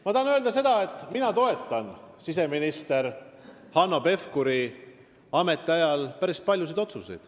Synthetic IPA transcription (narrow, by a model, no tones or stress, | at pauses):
mɑt̪ɑnø̞ːld̪ɑs̬e̞d̪̥ɑet̪ːˑminɑt̪o̞e̞t̪ˑːɑnsis̬e̞minist̪e̞ɾ | hɑnːo̞pe̞fkuɾi | ɑme̞t̪ːˑeɑjɑlpæɾist̪̚pɑlʲjus̬id̪o̞t̪susḛjd̪̥